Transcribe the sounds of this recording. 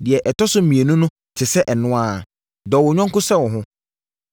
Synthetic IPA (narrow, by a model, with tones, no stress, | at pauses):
dɪ˨ɛ˨ʔɛ˨tʰɔ˦sʊ˦˨mĩ˨e˨nʊ̃˦nʊ̃˦ | tʰɪ˨sɛ˦ʔɛ˨nʊ̃˦a˦˨ | dɔː˨wɔ˨ɲᶣã˦ŋkʊ˦sɛ˦˨wɔ̃˨ɦʊ̃˦